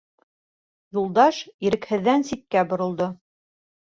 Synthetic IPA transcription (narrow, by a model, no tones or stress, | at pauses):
julˠd̪ɑʃiɾɘ̆khɘ̆ðːænsit̪̚kæbŏɾŏlˠd̪o